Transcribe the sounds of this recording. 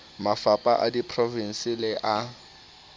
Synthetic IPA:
mafapʼaʔadipʰrɔvin̩sɪlɪʔa

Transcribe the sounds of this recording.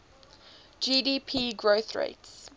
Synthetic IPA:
d͡ʒiːdiːpʰiːɡɹoʊθɹḛɪts

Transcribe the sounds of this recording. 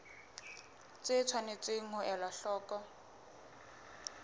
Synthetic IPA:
t͡sʼɪt͡sʰwanet͡sɪŋ̩hʊʔɛlaɬɔːkʼɔ

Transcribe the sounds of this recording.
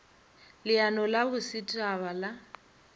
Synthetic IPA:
lɪanɔlabʊsɪtʼaβala

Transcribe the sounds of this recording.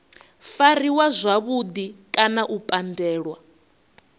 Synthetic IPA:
fariwazʷaβud̪ikʼanaʔupʼandɛːɺwa

